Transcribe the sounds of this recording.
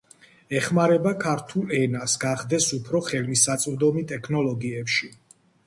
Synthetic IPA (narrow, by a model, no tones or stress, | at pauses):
ɛχmaɾɛbakʰaɾt̪ʰulɛnasɡaχd̪ɛsupʰɾɔχɛlmisat̪sʼvd̪ɔmit̪ʼɛkʰnɔlɔɡiɛpʃi